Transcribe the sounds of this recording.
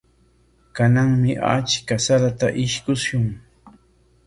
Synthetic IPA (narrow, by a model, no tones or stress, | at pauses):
kanaŋmɪʔa̰t͡ʃkasaɾat̪aʔɪʃkʊsjʊŋ